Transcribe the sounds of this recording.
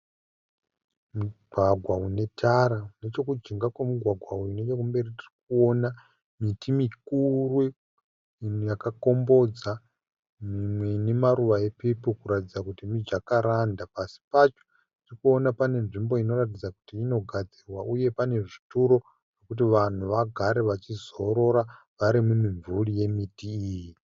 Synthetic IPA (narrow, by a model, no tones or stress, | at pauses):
muɡʱwaɡʱwaune̞tʰaɾane̞t͡ʃo̞kud͡ʒiŋɡakwamuɡʱwaɡʱwauine̞t͡ʃo̞kumbe̞ritirik̚uo̞na | mitimikurwe | jakako̞mbo̞d͡za | mimwenemaɾuʋae̞pepukuɾatid͡zakutimid͡ʒakaɾandapasi̥pat͡ʃo̥ | tirikuo̞napane̞nʐimbo̞ino̞ɾat̬id͡zaku̥tiːno̞ɡʱad͡zirwaʔuje̞pane̞ʐituɾo̞ | ʐ̥okut̬iʋan̤uʋaɡʱaɾe̞ʋat͡ʃizo̞ɾo̞ɾa | ʋaɾimumiɱvuɺije̞mitiːji